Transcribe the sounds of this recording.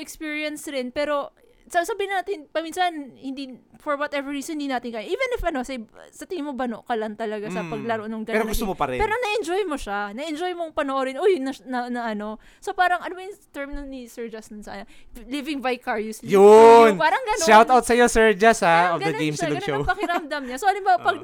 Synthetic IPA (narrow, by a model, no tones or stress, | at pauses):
ɛkspiːɹijɐnsɾɪnpɛːɾo̞ | sɐsɐbɪhɪnaːt̪ɪnpɐmiːnsɐnhɪnd̪ifoɹwɐt̪ɛvɛɹɹiːsnhɪnd̪inaːt̪ɪnkajʔiːvɛnɪfʔɐno̞sɛjsɐt̪ɪŋɪmobɐno̰ʔkɐlɐŋt̪ɐlɐɡasɐpɐɡlɐɾoʔnoŋɡɐɛɾoɡʊst̪omopɐɾɛpɛːɾonɐʔɛnd͡ʒojmoʃanɐʔɛnd͡ʒo̞jmoŋpɐnoʔoɾɪnʔojʊnɐnɐnɐʔɐno̞ | so̞paːɾɐŋʔɐnomjʊŋt̪ɛɹmnɐnɪsɛɹd͡ʒɐsɐnsɐʔanɐ | livɪŋvajkaɹjuslijʊnpaːɾɐŋɡɐnʃawt̪awt̪sɐjosɛɹd͡ʒasaofɡɐd̪ɐɡemsoɐnoopɐkɪɾɐmd̪ɐmɲasoʔɐlɪmbaːwɐpɐɡ̚